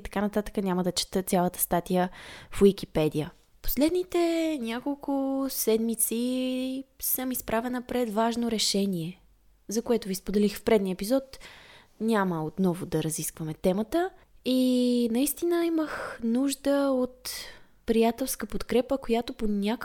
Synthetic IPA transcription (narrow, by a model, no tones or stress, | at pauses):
t̪ɐ̥kanɐt̪at̪ə̥kənʲaməd̪ɐt͡ʃɛ̥t̪ət̪ʲjalˠət̪ə̥st̪at̪ijəfwik̟ipɛd̪ijə | po̥slɛd̪nit̪ɛnʲakolˠkʊsɛd̪mit̪si | səmispɾʔavɛnəpɾɛd̪vaʒnoɾɛʃɛniɛ | zɐkoɛt̪ʊvispod̪ɛlixfpɾɛd̪niəɛpizɔt̪ | nʲaməot̪nɔvʊd̪ɐɾɐziskvəmɛt̪ɛmət̪əinɐist̪inəiməxnuʒd̪əot̪ | pɾijat̪ɛlˠskəpot̪kɾɛpəkojat̪oponʲak